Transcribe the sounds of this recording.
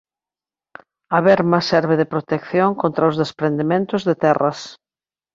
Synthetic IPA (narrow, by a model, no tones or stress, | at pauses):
aβɛɾmɐsɛɾβɪðepɾot̪ekθjoŋkõnt̪ɾaʊzðespɾend̪emẽnt̪ʊzðet̪ɛrɐs